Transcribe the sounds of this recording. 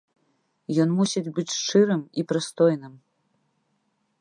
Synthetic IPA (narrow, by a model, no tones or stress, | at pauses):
jɔnmusʲit͡sʲbɨt͡sʲʂt͡ʂɨɾɨmipɾɨst̪ɔjnɨm